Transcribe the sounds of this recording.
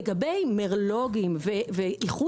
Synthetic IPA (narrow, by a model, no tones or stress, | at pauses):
ɡabejmeʁlo̞ɡimveveiχu